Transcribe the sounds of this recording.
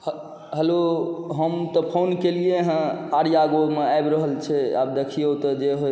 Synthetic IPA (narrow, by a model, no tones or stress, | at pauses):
h | ɦəloɦəmt̪ɔpʰonkelieɦə̃aɾijaɡomeajbɾəɦəlt͡ʃʰɛa̰b̚d̪ekʰijot̪ɔd͡ʒeɦoj